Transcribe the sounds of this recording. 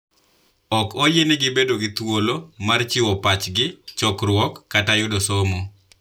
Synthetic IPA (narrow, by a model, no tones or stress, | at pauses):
ɔkojenɪɡɪbedoɡɪt̪wolomart͡ʃɪwɔpat͡ʃɡɪt͡ʃɔkɾwɔkːatajʊdosomo